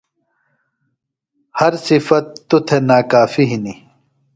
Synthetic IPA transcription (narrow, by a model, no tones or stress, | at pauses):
hɐɾsifɐt̪ːut̪ʰenaːkaːfiɦini